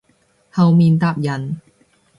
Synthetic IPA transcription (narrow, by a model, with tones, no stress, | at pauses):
ha˧wmi˧nt̪a˥˩p̚ja˧n